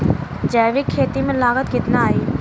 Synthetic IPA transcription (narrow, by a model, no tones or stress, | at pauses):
d͡ʒɛːʋɪkʰːeːt̪imẽlaːɣət̪kɪt̪naaːiː